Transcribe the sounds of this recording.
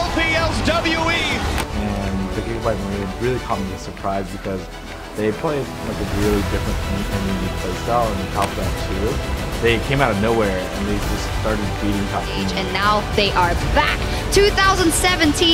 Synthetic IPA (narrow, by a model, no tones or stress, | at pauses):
ɛlˠpiɛlˠsdʌbl̩ˠjuiɨ̃nðɨɡɪkvbaɪt̚məɹĩɨ̃ɹɪlˠikʰɑmɪ̃ŋlˠi̥sə˞pʰɹ̥aɪzbɨkʰʌz | ðeɪpʰɹ̥beb | laɪkɨɹɪlˠidɪfɹɨ̃nɛ̃nɨ̃njɨpʰl̥eɪsɛə̃nðɨtʰɑplæ̃nsʰʉðeɪkʰẽɪ̃maʊɾʌvnoʊwɛɹɨ̰̃nðeɪd͡ʒʌsstɑɹɾɨd̚biɾɪ̃ŋtʰɑp̚ʰĩd͡ʒɨ̃nːaʊðeɪʔə˞bæk̚ | tʰʉθaʊzə̃ndsɛvɨ̃ntʰĩ